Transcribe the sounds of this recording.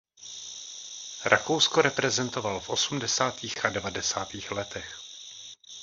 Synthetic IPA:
ɾʔakowskoɾɛpɾɛzɛnt̪ovalfʔo̞sumdɛsaːt̪iːxʔadɛvadɛsaːt̪iːxlɛt̪ɛx

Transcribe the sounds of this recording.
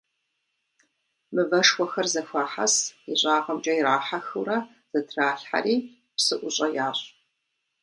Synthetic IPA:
mɨvɐʂxʷɔxɐrzɐfʷaːħa̰siɕʼaːqɐmt͡ʃʼɐjɪɾaːħaxɨɾɐ | z̥ɐtʰraːɬħa̰riː | psɨʔʷʊɕʼɐjaːɕʼ

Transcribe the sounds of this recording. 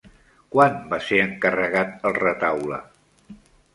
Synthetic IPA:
kwanbaseəŋkərəɣat̪̚əlˠrət̪awlə̰

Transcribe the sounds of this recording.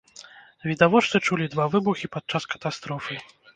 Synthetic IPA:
vʲid̪avɔt͡ʂ̪ɨt͡ʂulʲid̪vavɨbuxʲipat̪̚t͡ʂaskɐ̥t̪ast̪ɾɔfɨ

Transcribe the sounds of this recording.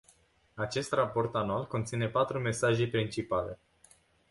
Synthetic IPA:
at͡ʃe̞st̪rapo̞rt̪anualko̞nt̪sine̞pat̪ɾume̞saʒe̞pɾint͡ʃipale̞

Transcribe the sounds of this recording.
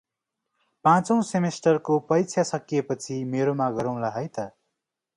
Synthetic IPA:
pãt͡sʌw̃semesʈʌrkopʌjt͡sʰjasʌkijepʌt͡sʰimeɾomaɡʌɾʌ̃w̃laɦʌjt̪ʌ

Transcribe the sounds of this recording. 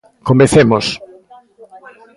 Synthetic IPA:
komeθemos

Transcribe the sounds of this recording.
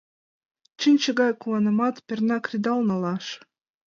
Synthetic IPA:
t͡ɕənʲt͡ɕə̆ɣɑjkuɑnɤ̆mɑt̪pʲĕrnɑkrʲid̪ɑlˠnɑlɑʃ

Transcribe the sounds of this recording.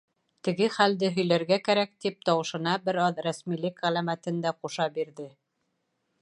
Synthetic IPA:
t̪ɘ̆ɡɘχæld̪ɘɦɵ̆jlæɾɡækæɾæk̚t̪ip̚t̪ɑwɤ̆ʃɤ̆nɑbɘɾɑðɾæsmilɘkʁælæmæt̪ɘ̆nd̪æquʃɑbiɾðɘ

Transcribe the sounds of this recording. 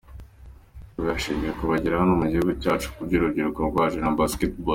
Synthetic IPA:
jaʃiːmijekuβaɟiɾahanomuɟihuɡucaːt͡ʃu̥kuɾɟiɾubɟiɾukoɡwaʒiɾambasketbo

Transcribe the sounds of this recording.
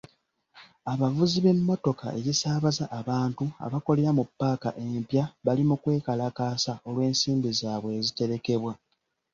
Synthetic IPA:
aβavuziβe̞mːo̞to̞ka̰ʔe̞jisaːβazaʔːβaːntua̰βako̞leɾamupːaːka̰ʔe̞mpjaβalimukwe̞ːkalakaːsao̞lwe̞ːnsiːmbizaːβwe̞ːzite̞ɾe̞ke̞βwa

